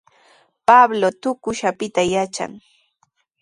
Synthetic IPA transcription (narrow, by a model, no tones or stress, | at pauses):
pablot̪ʊkʊʃapɪt̪ajat͡ʃa̰ŋ